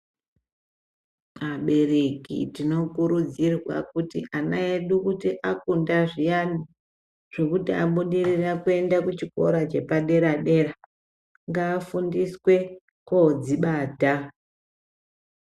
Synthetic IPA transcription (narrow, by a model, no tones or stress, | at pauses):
maɓe̞rekḭtino̞kuɾud͡zirwa̰kutḭʔanaeɗukutiʔakundaʐijani | ʐ̥e̞kutiaɓuɗirirakue̞ndakut͡ʃiko̞̰ɾat͡ʃe̞paɗe̞ɾaɗe̞ra | ŋɡaːfundiswe̞ | kod͡ziɓaːta